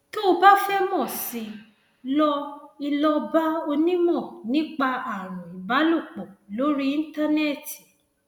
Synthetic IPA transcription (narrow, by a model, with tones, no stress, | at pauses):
to˦o˧ba˦fɛ˦mɔ̃˦˨sĩ˧ | lɔ˧i˧lɔ˧ba˦o˧nĩ˦mɔ̃˦˨nĩ˦k͡pa˧a˨ɾ̃ũ˨i˨ba˨˦lu˦˨k͡po˨lo˨˦ɾi˦ĩ˦ta˦nɛ˦˨ti˨